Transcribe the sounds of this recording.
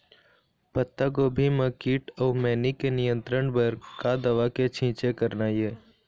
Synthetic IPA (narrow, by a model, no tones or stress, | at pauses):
pət̪ːakobʱiməkiːʈɔːmɛːnikenɪjə̃nt̪ɾəɳbəɾkad̪ɐʋaket͡ʃʰĩːt͡ʃekəɾnajeː